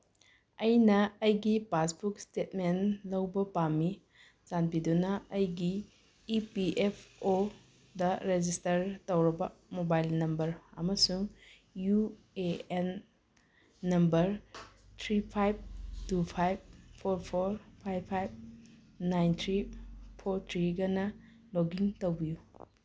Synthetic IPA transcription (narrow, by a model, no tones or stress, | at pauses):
ɐjnɐːjɡipasbuk̚stetmenlɐwbɐpami | zanpidunɐɐjɡiː | piʔepʰo | dɐɾed͡ʒistɐɾtɐwɾɐbɐmobajlnɐmbɐɾɐ̰mɐsuŋ | ju | een | ɐmbɐɾ | tʰɾipʰajb̚tupʰajb̚pʰoɾpʰoɾpʰajbʰajb̚ | najnt̪ʰɾipʰoɾt̪ʰɾiɡɐnɐ | loɡiŋtowbiju